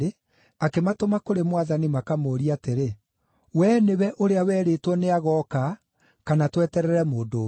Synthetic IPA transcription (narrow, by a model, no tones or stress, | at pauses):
e | akematomakoɾemwaðanimakamoːɾiateɾe | wɛːneβɛʔoɾeawɛːɾeːtwɔneaɣɔka | kanatwɛtɛɾɛɾɛmoːdo